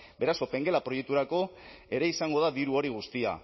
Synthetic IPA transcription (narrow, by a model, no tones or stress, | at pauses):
be̞ɾaso̞pe̞ŋɡe̞lapɾo̞jek̚t̪uɾako̞ | e̞ɾe̞isaŋɡo̞ðaðiɾuo̞ɾiɣ̞ust̪ia̰